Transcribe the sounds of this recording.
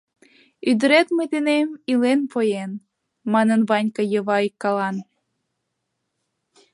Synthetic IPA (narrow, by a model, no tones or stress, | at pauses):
yd̪ə̆ɾet̪mɨt̪enemilenpojen | mɑnənβɑnʲkɤ̆jɤβɑikːɑlɑn